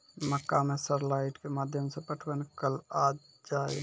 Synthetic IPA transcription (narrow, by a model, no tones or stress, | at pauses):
məkːamẽsəɾlaɪʈkemaːd̪ʱjəmsẽpəʈʰʋənkəla | d͡ʒaːe